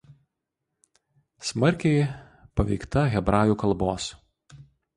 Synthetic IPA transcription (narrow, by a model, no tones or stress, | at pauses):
smɐɾʲkʲɛɪ | pɐʋʲɛɪkt̪ɐɣʲɛbɾɑːjuːkɐlˠˑboːs